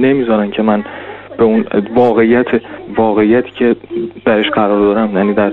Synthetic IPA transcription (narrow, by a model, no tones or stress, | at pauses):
ne̞miːzɒːɾæncʰe̞mænb̥e̞unvɒːɣe̞ijæt̪ʰevɒːɣe̞ijæt̪ʰi̥ːcʰe̞d̪̥æɾe̞ʃɢæɾɒːɾd̪ɒːɾæmjæniːd̪æɾ